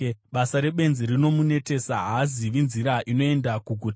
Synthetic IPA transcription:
ɓasaɾe̞ɓe̞nziɾino̞mune̞te̞saɦaːziʋinziɾaʔino̞e̞ndakuɡʱut

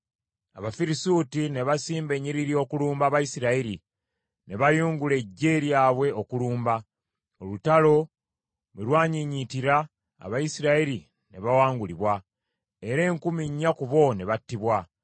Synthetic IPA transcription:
aβafiɾisuːtine̞βasiːmbe̞ɲːiɾiɾio̞kuluːmbaːβajisiɾaiɾi | ne̞βajuːŋɡule̞ɟːe̞ɾjaːβwe̞okuluːmba | olutalo̞ | βelwaːɲiɲitiɾa̰ː | βajisiɾaiɾi | ne̞βawaːŋɡuliβwa | eɾe̞ːŋkumiɲːakuβo̞ne̞βatːiβwa

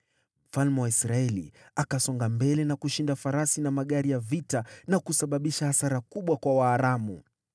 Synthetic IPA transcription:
m̩falmɛwaisɾaɛlḭakasɔŋɡambɛlɛnakuʃindafaɾasinamaɠaɾijavitanakusaɓaɓiʃahasaɾakuɓwakwawaːɾamṵ

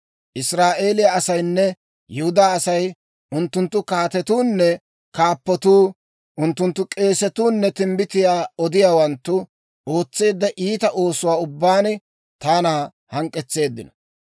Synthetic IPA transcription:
ʔɪsɾaːʔe̞ːlɪjaɐsɐjnːɛ | jʊhʊd̪aːɐsɐj | ʔʊnt̪ːʊnt̪ːʊkaːt̪ɛt̪uːnːɛ | kaːpːɔt̪uː | ʔʊnt̪ːʊnt̪ːʊkʼe̞ːsɛt̪uːnːɛt̪ɪmbɪt̪ɪjaːɔd̪ɪjaːwɐnt̪ːʊ | ʔo̞ːt͡sːe̞ːd̪ːɐʔiːt̪ɐʔo̞ːsʊwaːʊbːaːnɪ | t̪aːnaː | hɐŋkʼːɛt͡sːe̞ːd̪ːɪnɔ

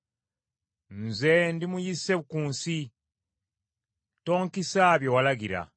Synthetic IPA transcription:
nzendimujiseβukuːnsi | to̞ːŋkisaːβjo̞walaɡiɾa̰

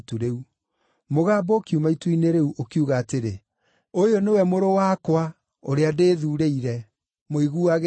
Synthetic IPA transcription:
tuɾeu | moɣaːbɔkiumaituineɾeuʔokiuɣaːteɾe | ojonewɛmoɾowaːkwa | oɾeadeːðuːɾeiɾɛ | moiɣuaɣ

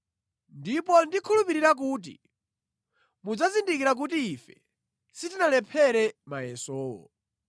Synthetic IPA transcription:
ndipɔndikʰulupiɾiɾak̬uːt̬ḭ | mud͡zazindikiɾak̬ut̬iːfɛ | sitinalɛpʰɛɾɛmajɛsɔːwɔ̰

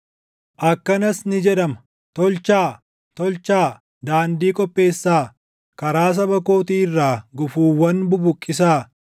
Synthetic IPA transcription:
ʔɐkːɐnɐsnɪd͡ʒɛᶑ̪ɐmɐ | t̪ɔlt͡ʃaː | t̪ɔlt͡ʃaː | d̪aːnd̪iːkʼɔpʼːe̞ːsːaː | kɐɾaːs̬ɐbɐko̞ːt̪iːɪrːaːɡʊfuːwːɐnbʊbʊkʼːɪs̬aː

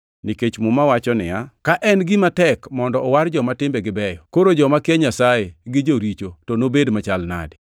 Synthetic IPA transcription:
niket͡ʃmʊmawat͡ʃɔnɪ̰jakaʔɛnɡɪmatɛkmɔndɔɔwaɾd͡ʒɔmatɪmbeɡɪbɛjɔkoɾod͡ʒɔmakɪɛɲasajeɡɪd͡ʒoɾit͡ʃotonobedmat͡ʃalna̰d

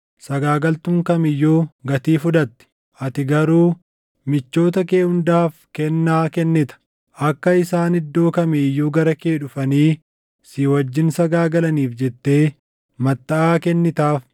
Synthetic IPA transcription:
sɐɡaːɡɐlt̪ʊŋkɐmɪjːoːɡɐt̪iːfʊᶑ̪ɐt̪ːɪ̥ | ʔɐt̪ɪɡɐɾuː | mɪt͡ʃːo̞ːt̪̬ɐkeːhʊnd̪aːfkɛnːaːkɛnːɪt̪ɐ̥ | ʔɐkːɐɪsaːnɪd̪ːo̞ːkɐmɛjːoːɡɐɾɐkeːᶑʊfɐniː | sɪwɐd͡ʒːɪnsɐɡaːɡɐlɐniːfd͡ʒɛt̪ːe̞ː | mɐt̪ːɐʔaːkɛnːɪt̪aːf

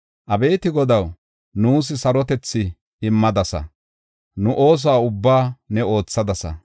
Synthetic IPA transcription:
ʔɐbe̞ːt̪ɪɡɔd̪ɐw | nuːs̬ɪsɐɾɔt̪ɛt͡sːɪ | ɪmːɐd̪ɐsɐ̰ | nʊʔo̞ːs̬aːʊbːaːnɛo̞ːt͡sːɐd̪ɐsɐ̰

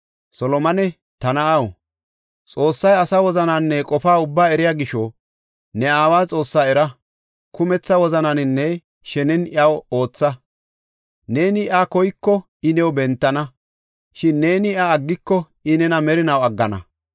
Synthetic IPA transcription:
sɔlɔmɐnɛ | t̪ɐnɐɐw | t͡sʼo̞ːsːɐjɐsawɔzɐnanːɛkʼɔfaːʊbːaːɛɾɪjaːɡɪʃɔ | nɛaːwaːt͡sʼo̞ːsːaːɛɾɐ | kʰʊmɛt͡sːɐwɔzɐnɐnɪnːɛ | ʃɛnɛnɪɐwo̞ːt͡sːɐ | ne̞ːnɪɪakɔjkːɔ | ɪnɛwbɛnt̪ːɐnɐ | ʃɪnːe̞ːnɪaːɡːɪkːɔ | ɪnɛnɐmɛɾɪnɐwɐɡːɐnɐ̰

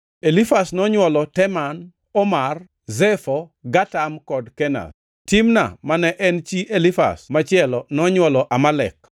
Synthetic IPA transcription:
elifasnɔɲwɔlɔtɛman | ɔmar | zɛfɔɡatamkɔdkɛna̰s | timna̰manɛʔɛnt͡ʃiʔelifa̰smat͡ʃɪɛlɔnɔɲwɔlɔʔamalɛ̰k

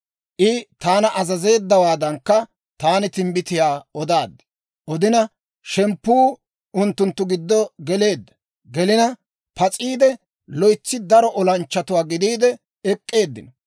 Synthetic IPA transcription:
ʔɪt̪aːnɐʔɐzɐze̞ːd̪ːɐwaːd̪ɐŋkːɐ | t̪aːnɪt̪ɪmbɪt̪ɪjaːɔd̪aːd̪ːɐ̥ | ʔɔd̪ɪnɐ | ʃɛmpːuː | ʔʊnt̪ːʊnt̪ːʊɡɪd̪ːɔɡɛle̞ːd̪ːɐ̥ | ɡɛlɪnɐ | pɐt͡sʼiːd̪ɛ | lɔjt͡sːɪd̪ɐɾɔʔɔlɐnt͡ʃːɐt̪ʊwaːɡɪd̪iːd̪ɛ | ɛkʼːe̞ːd̪ːɪnɔ

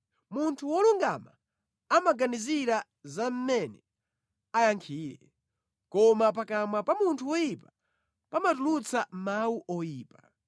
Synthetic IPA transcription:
muntʰuwɔluŋɡama | amaɡaniziɾa | zam̩mɛnɛ | ajaŋkʰiːɾɛ̰ | kɔmapakamapamuntʰuwɔjipa | pamatulut͡sam̩mawuʔɔjiːpa

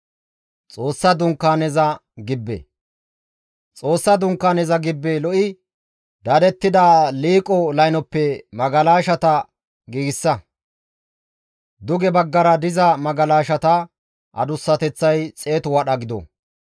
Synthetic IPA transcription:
t͡sʼo̞ːsːɐd̪ʊŋkːaːnɛzɐɡɪbːɛ̰ | t͡sʼo̞ːsːɐd̪ʊŋkːaːnɛzɐɡɪbːelɔʔɪ | d̪ɐd̪ɛt̪ːɪd̪aːliːkʼɔlɐjnɔpːɛmɐɡɐlaːʃɐt̪ɐ | ɡiːɡɪsːɐ | d̪ʊɡɛbɐɡːɐɾɐd̪ɪzɐmɐɡɐlaːʃɐt̪ɐ | ʔɐ̰d̪ʊsːɐt̪ɛt͡sːɐjt͡sʼe̞ːt̪ʊwɐɗɐɡɪd̪ɔ̰

